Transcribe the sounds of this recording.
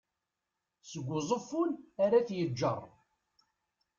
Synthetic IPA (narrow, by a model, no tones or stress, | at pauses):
səɡʷːʊzˤəfːʊnaɾaθjəd͡ʒːə̰rˤ